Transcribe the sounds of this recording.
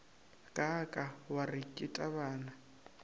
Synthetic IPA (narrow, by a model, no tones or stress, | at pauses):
kʼakʼawarikʼɪtʼaβaːna